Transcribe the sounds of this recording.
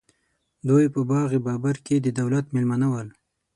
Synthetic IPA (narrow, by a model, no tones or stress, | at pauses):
d̪ojpəbɑɣebɑbaɾked̪əd̪awlat̪melmanawəl